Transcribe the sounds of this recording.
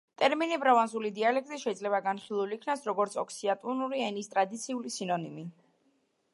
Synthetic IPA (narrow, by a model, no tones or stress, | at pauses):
t̪ʼɛɾminibɾavanzulid̪ialɛk̚ʼt̪ʼiʃɛid̪zlɛβaɡanχilˠulikʰnasɾɔɡɔɾt̪sʰɔkʰsiat̪ʼunuɾiɛnist̪ʼɾad̪it̪sʰiulisinɔnimi